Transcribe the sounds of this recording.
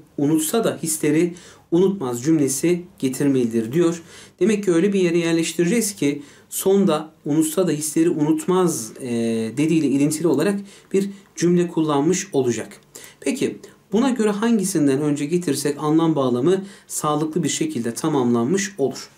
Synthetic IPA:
unut̪sad̪ahislʲe̞ɾi | unut̪mazd͡ʒymlʲe̞siɟ̥e̞t̪ʰiɾme̞lʲid̪iɾd̪ijo̞ɾ̥d̪̥e̞mɛcːiø̞jlʲɛbije̞ɾɛjæɾlʲɛʃt̪ʰiɾid͡ʒɛkz̥cʰɪ | so̞nd̪aunut̪sad̪aɦislʲe̞ɾiʔunut̪maz | d̪e̞d̪iːjlʲɛilʲint̪ʰilʲio̞lˠaɾakb̥iɾd͡ʒymlʲɛkʰulˠːanmɯʃo̞lˠud͡ʒakpʰecʰibunaɟø̞ɾɛɦaɲɟisind̪ænø̞nd͡ʒɛɟe̞t̪ʰiɾsɛcanlˠambaːlˠamɯsaːlˠɯklˠɯbiɾʃe̞cʰilʲd̪ɛt̪ʰamamlˠanmɯʃo̞lˠuɾ̥

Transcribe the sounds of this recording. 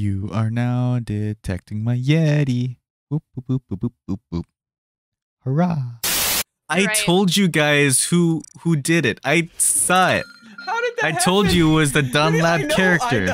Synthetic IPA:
jɨə˞naʊdɪtʰɛ̰k̚tɪ̃ŋmaɪjɛɾi | up̚ːupuppupupup̚ | hə˞as | aɪtʰoʊlˠd͡ʒɨɡaɪz̥huhudɪɾɪtaɪsɔɪ̰t̚aɪtʰoʊlˠd͡ʒɨwʌzðɨdʌ̃nlæb̚kʰɛɹɨk̚tə˞

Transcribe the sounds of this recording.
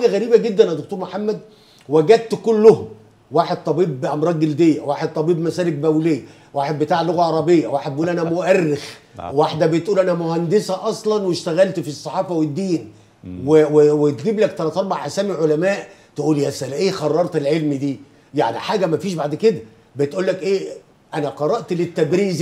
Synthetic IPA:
ħaːɡæɣæɾiːbæɡed̪ːænʔæd̪okt̪oːɾmoħamːæd̪ | wæɡæd̪̚t̪kolːʊhom | waːħed̪̚t̪ˤɑbiːbʔɑmɾˤɑːɡeld̪ejːæwaːħed̪̚t̪ˤɑbiːbmæsæːlek̚bæwlejːæ | waːħed̪̚bet̪aːʕlːoɣæʕɑɾˤɑbejːæ̰waːħed̪̚beʔuːlʔænæmoʔærːex | waħd̪æbet̪ʔuːlʔænæmohænd̪esæʔɑsˤlɑnweʃt̪æɣælt̪fisˤːɑħɑːfɑwed̪ːiːn | wewewet̪ɡiːblækt̪ɑlˤɑt̪ˤɑɾˤbɑʕʔasæːmiʕolæmæːʔt̪eʔuːljæsælæʔeːxɑrˤːɑɾˤt̪elʕelmd̪iː | ja̰ʕnḭħaːɡæmæfiːʃbaʕd̪ked̪æ | bet̪ʔuːlːækʔeː | ʔænæqɑɾˤɑʔt̪let̪ːæb̪ɾiːz

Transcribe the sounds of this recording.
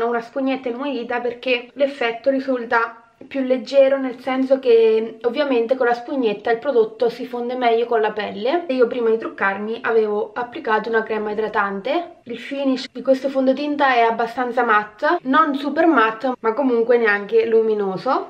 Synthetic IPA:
ounaspuɲːet̪ːainumeliːt̪aperk̟elefːɛt̪ːoɾizult̪a | pjulːed͡ʒːɛːɾonelsɛns̬ok̟eovːjament̪ekonlːaspuɲːet̪ːailpɾod̪ot̪ːosifond̪emɛʎːokonlapɛlːeiːopɾiːmad̪it̪ɾukːarmiʔaveːvoapːlikaːt̪ounakɾɛːmaid̪ɾat̪ant̪e | ilfiːniʃd̪ikwest̪ofond̪ot̪int̪aɛabːast̪ant̪samat̪ːnonsupermat̪ːmakːomuŋkweneaŋk̟eluminoːzo

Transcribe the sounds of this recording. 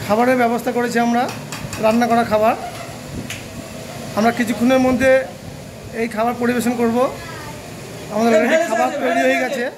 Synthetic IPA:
kʰabaɾeɾbɛbost̪ʰakoɾet͡ɕʰiamɾa | ɾannakɔɾakʰabaɾ | amɾakit͡ɕʰu̥kʰːuneɾmod̪ʱːe | ejkʰabaɾpoɾibeʃonkoɾbo | amad̪eɾlɔɡeekʰabaɾt̪ɾeɽioɦoejɡɛt͡ɕʰe

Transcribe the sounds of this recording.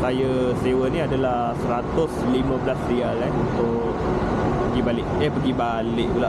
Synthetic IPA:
sajəsewəniadala | səɾat̪ʊslimə̃bəlasrialanunt̪ʊ | k̚ | ppəɡibalɪʔ̚ɛhpəɡiba | lɪʔ̚k̪ulaʔ

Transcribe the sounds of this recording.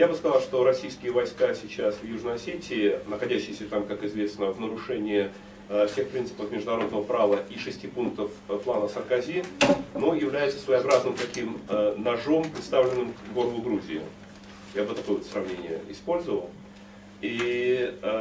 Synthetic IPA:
jabɨskɐzɑlˠʂt̪o̞ɾɐsʲijskʲɪjəvɐjskasʲɪt͡ɕasvjuʐnəjɐsʲetʲɪːnəxɐdʲæɕːɪjsʲət̪amkakɪzvʲesnəvnəɾʊʂɛnʲɪɪ | fsʲe̞xpɾʲint̪sɨ̥pəfmʲɪʐd̪ʊnɐɾo̞d̪nəvəpɾavəʔiʂɨsʲtʲipunk̚t̪əfplˠanəsərkazʲinojɪvlʲæjʊt̪sə̥svəjɐbɾaznɨmt̪ɐkʲimnɐʐo̞mpɾʲɪt̪st̪avlʲɪnːɨmkɡo̞ɾəvʊɡɾuzʲɪɪ̰ | jabɨt̪ɐko̞jt̪sɾɐvnʲenʲɪjə̰ɪspo̞lʲzəvə̰lˠ | i

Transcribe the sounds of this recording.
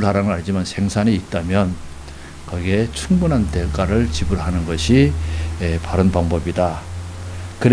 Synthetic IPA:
ɭhaɾaŋɯɾaɭd͡ʑimansʰe̞ŋsʰaniːt̚t͈amjʌn | kʌɡet͡ɕʰuŋbunɦantek͈aɾɯɭt͡ɕibɯɭɦanɯnɡʌɕʰiepaɾɯnpaŋbʌbida | kɯɾ

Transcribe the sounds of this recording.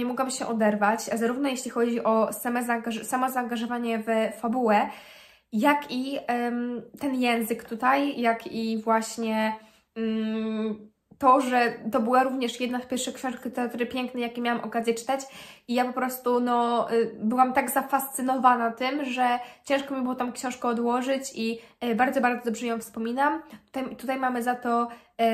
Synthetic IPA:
ɲɛmɔɡwabɘɕɛʔɔd̪ɛɾvat͡ɕzaɾuvnɔjeɕlʲixɔd͡ʑiʔɔsamɛzaŋɡaʐsamɔzaːŋɡaʐɔvaɲɛvfabuwɛ | jaki | t̪ɛnjɛnzɘkt̪ut̪ajjakʰivwaɕɲɛ | t̪ɔʐɛt̪ɔbɘwaɾuvɲɛʂjɛd̪nafpʲjɛɾfʂɛkɕɔ̃ʂkʲit̪ɛat̪ɾɘpʲjɛŋknɛjakʲjɛmjawamʔɔkazjɛt͡ʂɘ̥t̪at͡ɕijapɔpɾɔst̪unɔbɘwamt̪aɡzafast̪sɨnɔvanat̪ɘmʐɛt͡ɕɛ̃ʂkɔmʲibɨwɔt̪ɔ̃w̃kɕɔ̃w̃ʂkɛɔd̪wɔʐɘt͡ɕibaɾd̪zɔbaɾd̪ɔd̪ɔbʐɛjɔ̃w̃fspɔmʲinamt̪u̥t̪ajt̪ut̪ajmamɘzat̪ɔ

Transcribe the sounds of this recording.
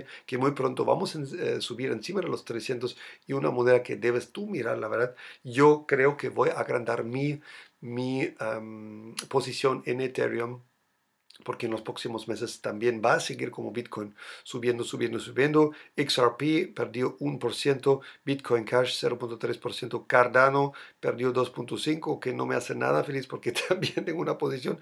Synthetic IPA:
kemujpɾont̪oβa̰mosenesuβiɾensimaðelost̪ɾesjent̪osiuna̰moneðaked̪eβest̪umiɾa̰ɾlaβeɾðat̪ʝokɾeokeβojaɣɾand̪aɾmimiemposisjo̞nenet̪ḛɾjom | poɾkeːnlospɾoksimozmes̬est̪ambjenbaːseɣiɾkomoβit̪̚kʰojnsuβjend̪osuβjend̪osuβjend̪oeksaɾpipeɾd̪joʔunpoɾsjent̪obit̪kʰojŋkʰaʃseɾopunt̪ot̪ɾespoɾsjent̪okaɾd̪anopeɾd̪jod̪o̞spunt̪osiŋkokenomeasena̰ðafelispoɾket̪ʰambjent̪eŋɡounapos̬isjon

